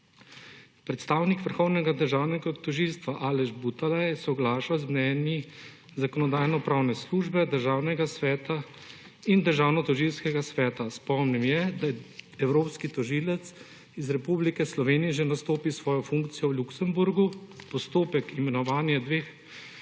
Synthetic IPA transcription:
pɾɛt̪st̪aːwnikʋəɾxɔwnɛɡad̪əɾʒaːwnɛɡat̪ɔʒilst̪ʋaʔaːlɛʒbut̪alajsɔɡlaːʃazmnɛːnji | zakɔnɔd̪aːjnɔpɾaːwnɛsluʒbɛd̪əɾʒaːwnɛɡasʋɛːt̪a | ind̪əɾʒaːwnɔt̪ɔʒilskɛɡasʋɛːt̪aspɔmnimjɛd̪ajɛɛwɾoːpskit̪ɔʒiːlɛt̪s | izɾɛpublikɛslɔʋeːnijɛʒɛnast̪oːpisʋɔːjɔfuŋkt̪sijɔwluksɛmbuɾɡupɔst̪oːpɛkimɛnɔʋaːnjɛd̪ʋeːx

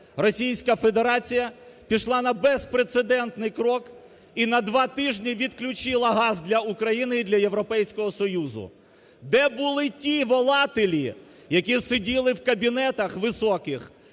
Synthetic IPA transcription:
rɔsʲijsʲkɐfe̞d̪eɾɑt͡sʲijɐ | pʲiʃlˠɑnɐbɛspɾet̪sed̪ɛnt̪nɪjkɾɔk | inɐd̪ʋɑt̪ɪʒnʲiʋʲid̪klʲʊt͡ʃɪlˠɐɦɑzd̪lʲɐukɾɐjinɪid̪lʲɐje̞ʋɾɔpɛjsʲkɔɦɔsɔjuzʊ̰ | d̪ɛbʊlˠɪtʲiʋɔlˠɑt̪ɪlʲḭ | jɐkʲisedʲilˠɪwkɐbʲinɛt̪ɐxʋɪsɔkɪx

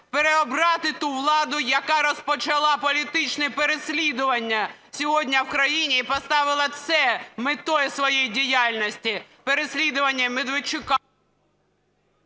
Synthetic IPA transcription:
peɾeɔbɾɑt̪ɪt̪uʋlˠɑd̪ʊjɐkɑɾɔspɔt͡ʃɐlˠɑpɔlʲit̪ɪt͡ʃnɛpeɾesʲlʲid̪ʊʋɐnʲːɐsʲɔɦɔdʲnʲɐwkɾɐjinʲiipɔst̪ɑʋɪlˠɐt̪sɛmɪt̪ɔjɛsʋɔjejdʲijalʲnɔsʲtʲipeɾesʲlʲid̪ʊʋɐnʲːɐmed̪ʋet͡ʃʊkɑ

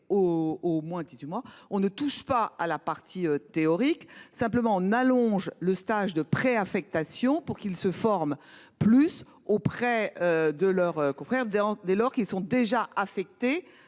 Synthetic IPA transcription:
oomwɛ̃d̪izɥimwaɔ̃nət̪uʃpaalapaʁt̪ʰiøt̪eɔʁiksɛ̃pləmɑ̃ɔ̃nalɔ̃ʒləst̪aʒd̪əpχeafɛk̚t̪asjɔ̃puʁkilsəfɔʁm | plys | opχɛød̪əlœʁøkɔ̃fχɛʁd̪ɑ̃d̪elɔʁkilsɔ̃d̪eʒaʔafɛk̚t̪e

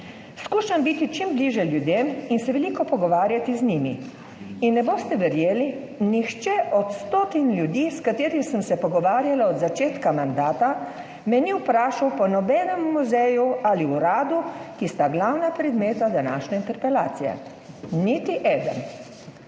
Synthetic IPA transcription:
skuːʃambiːt̪it͡ʃimbliːʒjɛljud̪eːminsɛʋɛliːkɔpɔɡɔʋaːɾjat̪izniːmḭ | inːɛboːst̪ɛʋɛɾjeːli | nixt͡ʃɛʔɔt̪st̪oːt̪inlʲjud̪iːskat̪eːɾisəmsɛpɔɡɔʋaːɾjalaɔd̪zat͡ʃeːt̪kamand̪aːt̪a | mɛniupɾaːʃawpɔnɔbɛːnɛmːuzɛjualiuɾaːd̪ukist̪aɡlawnapɾɛd̪meːt̪ad̪anaːʃnɛint̪ɛɾpɛlaːt̪sijɛ̰ | nit̪iʔɛːd̪ə̰n

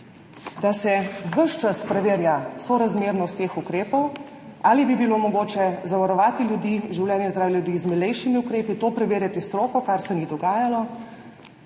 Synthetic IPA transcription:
d̪asɛʋəʃt͡ʃaspɾɛʋeːɾjasɔɾazmeːɾnɔst̪eːxukɾeːpɔw | aːlibibilomɔɡoːt͡ʃɛzaʋaɾɔʋaːt̪iljud̪iːʒiwlʲjɛːnjɛzd̪ɾaːwjɛljud̪iːzmɛlɛjʃimiukɾeːpit̪oːpɾɛʋeːɾjat̪ist̪ɾoːkɔkaɾsɛnid̪ɔɡaːjalɔ

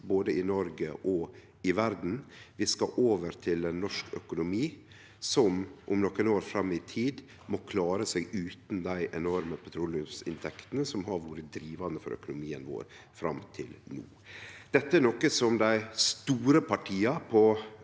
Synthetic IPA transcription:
boːd̪əɪnɔɾɡəʔɔ | ɪʋæɾd̪n̩ʋɪskɑʔoːʋəɾt̪ʰɪlɛnːɔʂkʰœkʊnʊmiː | sɔmʔʊmnɔkːənoːɾfɾɑmːɪt̪ʰiːd̪ | mɔːkʰlɑːɾəseːɡʉːt̪n̩d̪æɪʔɛnɔɾməpʰɑt̪ʰɾuːlfsɪ̰nt̪ʰɛkt̪ənəsɔmɦɑɾʋuːɾəd̪ɾiːʋɑnəfɔ̰ɾœ̰kʊnʊmiːənʋo̰ːɾ | fɾɑ̰mt̪ʰɪlnṵːd̪̥ɛt̪ːəæɾnɔkːəsɔmd̪æɪst̪uːɾəpʰɑʈʰiːɑpʰɔ

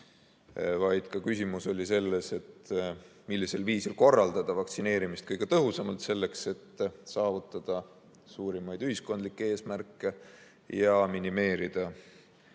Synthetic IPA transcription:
vɑjd̪̥kɑkysʲimuso̞lʲise̞lːe̞se̞t̪ːmilːiselviːsilko̞rːɑld̪ɑd̪̥ɑvɑkt̪sine̞ːɾimist̪̚kɤjɡ̥e̞t̪ɤɦusɑmɑlt̪se̞lːe̞kse̞t̪ːsɑːvut̪ːˑɑd̪̥ɑ | suːɾimɑjd̪̥yhisko̞nd̪likːee̞ːsmærkːˑe̞ | jɑminime̞ːɾid̪̥ɑ

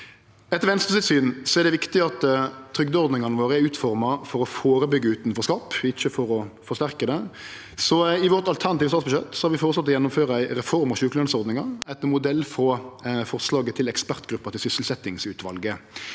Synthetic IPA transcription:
ɛt̪ːəɾʋɛnst̪ɾəsɪt̪syːnsɔɛʁd̪ɛʋɪkt̪ɪɑt̪t̪ʰɾʏɡd̪əɔɾd̪nɪŋɑnəʋoːɾəæɾʉːt̪fɔɾmɑfɔɾɔfoːɾəbʏɡːəʉːt̪nfɔɾskɑːpːɪçːəfɔɾɔfɔʁʂst̪æʁkəd̪ɛ | sɔɪʋɔɾt̪ɑlt̪ʰæʁnɑt̪iːʋəsɑt̪sbəʃɛ̰t̪ːsɔhɑɾʋɪfɔʁt̪sɑt̪ːɔjɛnːʊmføːɾəæɪɾɛfɔɾmɑɕʉːkəlœnsɔɾd̪nɪŋɑɾɛɪt̪ːəmʊd̪ɛlːfɾɔfɔʁslɑːɡət̪ʰɪlɛkspæʁt̪ɡɾʉpːɑt̪ɪsʏsəlsɛt̪ːɪŋsʉːt̪ʋɑlɡə

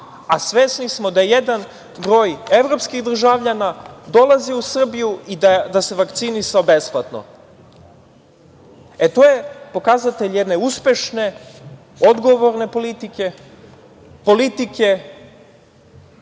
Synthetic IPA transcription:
asʋesnismo̞d̪ajed̪an | bɾo̞ːjeʋɾo̞pskiɣd̪r̩ʒaʋʎanad̪o̞lˠaziusr̩bijuid̪d̪ase̞ʋakt̪sinisaobe̞splˠat̪no̞̰ | et̪o̞je̞po̞kazat̪e̞ʎjed̪ne̞uspʲe̞ʃne̞ | od̪ɡo̞ʋo̞ɾne̞polit̪ike | po̞lit̪ike

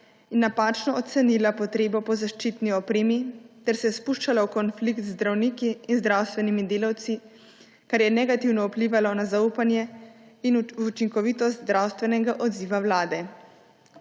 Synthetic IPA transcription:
inːapaːt͡ʃnɔɔt̪sɛnilapɔt̪ɾeːbɔpɔzaʃt͡ʃit̪niɔpɾeːmit̪ɛɾsɛspuʃt͡ʃalɔwkɔnflikt̪zd̪ɾawnikiːnzd̪ɾawst̪ʋɛnimid̪eːlawt̪si | kaɾjɛnɛɡat̪iwnɔupliːʋalɔnazauːpanjɛinut͡ʃiŋkɔʋiːt̪ɔst̪zɾawst̪ʋɛnɛɡaʔɔd̪ziːʋawlaːd̪ɛ

